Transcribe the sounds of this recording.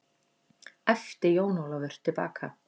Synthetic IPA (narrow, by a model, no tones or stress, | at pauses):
ɛft̪ɪjoːwnowlavʏɾ̥t̪ʰɪlpa̰ːkʰa